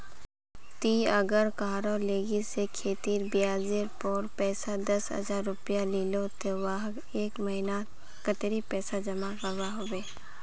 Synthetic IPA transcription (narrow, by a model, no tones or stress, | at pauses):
t̪iɐɡəɾkaːɾoːleːɡisekʰeːt̪iːɾbijaːzeɾpɔːɾpɛːsad̪əsɦə̰zaːɾːʊpijaliːlot̪owaːɦɡ | eːkməɦina | kət̪ɾipɛːsad͡ʒɐmapəbaɦobeː